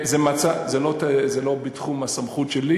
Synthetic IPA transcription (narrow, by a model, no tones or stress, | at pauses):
zemat͡sazelot̪azelo̞bitχumasamχut̪ʃeli